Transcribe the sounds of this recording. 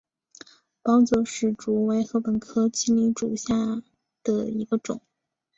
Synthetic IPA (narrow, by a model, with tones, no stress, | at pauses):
pɑ˥ʊt͡swɔ˥˩ʂɻ̩˥˩ʈ͡ʂu˧˥we˧˥ɪxɤ˧˥pə˧˥nkʰɤ˥t͡ɕi˥li˧˥ʈ͡ʂu˨˩ɕja˥˩ | d̪̥ə˨˩i˧˥ɡə˧ʈ͡ʂʊ̰˨˩˦ŋ